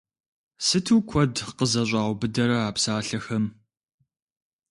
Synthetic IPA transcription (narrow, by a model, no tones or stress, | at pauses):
sɨtʰuːkʷʰɔdqəzɐɕ̬ʷʼɑːwbɨdɐɾɐaːpsaːɬɐxɐm